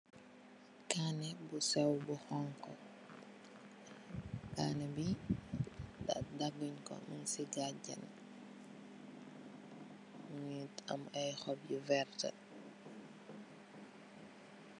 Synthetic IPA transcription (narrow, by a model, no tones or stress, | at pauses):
kanɛbusɛwbuhɔŋkɔ | kaːnɛbi | da̰daɡuɲkɔ̰minsiɡaɟɐ̰n | muitɐ̰mɐjxɔb̚jivɛrtɐ̰